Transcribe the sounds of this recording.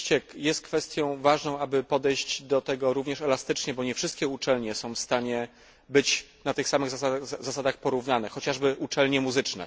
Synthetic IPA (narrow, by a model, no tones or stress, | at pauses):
t͡ɕɛjɛst̪̚kfɛst̪ʲjɔ̃w̃vaʐnɔ̃w̃abɘpɔd̪ɛjʑd͡ʑd̪ɔt̪ɛɡɔɾuvɲɛʂɛlast̪ɘt͡ʂɲɛbɔɲɛfʂɘst̪kʲɛut͡ʂɛlɲɛsɔ̃w̃fst̪aɲɛ | bɘt͡ɕnat̪ɘxsamɘɣzzasad̪axpɔɾuvnanɛxɔt͡ɕaʐbɘʔut͡ʂɛlɲɛmuzɘt͡ʂnɛ̰